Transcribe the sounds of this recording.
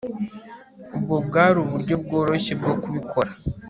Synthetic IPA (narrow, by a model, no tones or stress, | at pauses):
obɡobɡaːɾuβuɾɟo̞b̚ɡo̞ːɾoʃe̞b̚ɡo̞kuβikʰo̞ɾa